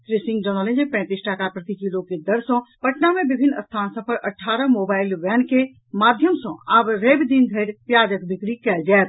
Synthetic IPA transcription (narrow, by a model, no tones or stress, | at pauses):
t̪ɾesĩŋɡ̚d͡ʒənəlẽd͡ʒepɛ̃ːt̪isʈakapɾət̪ikilõked̪əɾsɔ̃pəʈnamẽbibʱinːə̰st̪ʰaːnsə̃pəɾʔəʈʰːaːɾəmoːbaːɪlʋɛːnke | maːd̪ʱjəmsɔ̰̃aːbɾebd̪inɡ̪ʱəɾpjad͡ʒəkbikɽikɛld͡ʒaːt̪̚